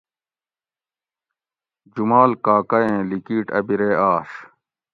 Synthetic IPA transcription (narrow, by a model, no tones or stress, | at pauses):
d͡ʑumaːlkaːkɐjẽːlikiːʈɐ̰biɾeːaːʂ